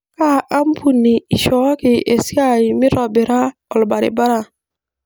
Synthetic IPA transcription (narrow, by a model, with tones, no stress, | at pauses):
ka˦ʔa˦m˦pu˦ni˨i˨ʃɔ˨˦kɪ˨ʔe˨sɪ˦a˦˨ɪ˨mɪ˦ɾɔ˨bɪ˨ɾa˦ɔ˨lba˨ɾɪ̰˨ba˦ɾa˨